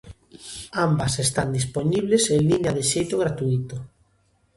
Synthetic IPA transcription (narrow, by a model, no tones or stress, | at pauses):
ambasest̪and̪isponiβ̞lesenliɲaðeʃejt̪oɣ̞ɾat̪uit̪o